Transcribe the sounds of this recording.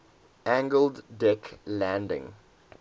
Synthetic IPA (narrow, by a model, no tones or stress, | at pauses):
ʔæ̃ŋɡəlddɪklæ̃ndɪ̰̃ŋ